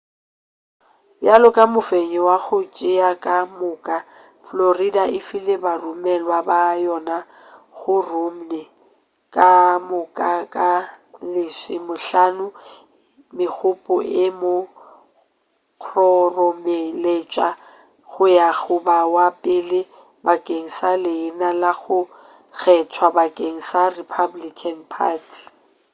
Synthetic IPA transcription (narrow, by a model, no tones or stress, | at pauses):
bjalɔkʼamʊfeɲɛwaɣʊt͡ʃʼɪakʼamʊkʼa | floridaɪfɪlɪbarumɛlwabajɔna | ɣʊrum̩nɛ | kʼamʊkʼakʼalɪsɪmʊɬanʊ | mɪk͡xʰʊpʼʊʔɪmʊ | q͡χʰrɔrɔmɛlet͡ʃʼa | ɣʊjaɣʊbawapʼɪlɪ | bakʼeŋ̩salɪːnalaɣʊ | ɣɛt͡sʰwabakʼeŋ̩saripʰablikʰanpʰa̰ːtʰi̥